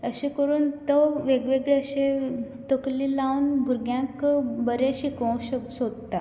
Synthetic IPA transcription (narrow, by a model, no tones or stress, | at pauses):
əɕẽkəɾuːnt̪əʋeɡʋeɡɭeəɕẽ | t̪əkliːlawnbʱuɾɡjãkbəɾeəɕikõwɕəbsod̪t̪a